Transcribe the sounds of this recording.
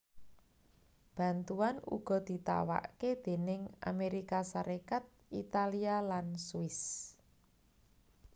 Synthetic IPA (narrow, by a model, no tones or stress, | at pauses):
b̥ä̤nt̪uanṵɡ̥ɔ̤d̪̥i̤t̪a̰wa̰ʔked̪̥e̤nɪŋʔa̰meɾikasaɾʔekat̪̚it̪alialansuɪs